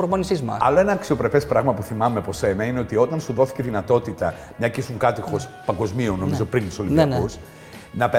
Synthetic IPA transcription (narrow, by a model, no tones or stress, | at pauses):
oɾmonisizmɐ̰ɐ̰lo̞e̞nɐːksio̞pɾe̞pe̞spɾɐɣmɐpuθimɐmepo̞se̞nɐine̞o̞t̪io̞t̪ɐnsuðo̞θi̥ce̞ðinɐt̪o̞t̪it̪ɐ | mɲɐcisuŋkɐt̪ixo̞spɐŋɡo̞zmionːomizo̞pɾint̪isoliɐus | nɐpe